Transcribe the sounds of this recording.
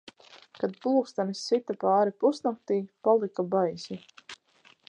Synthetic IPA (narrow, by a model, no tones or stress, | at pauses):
kad̪̚pˠuːkst̪anisit̪apɑːɾipusnak̚t̪iːpalˠikabajsʲi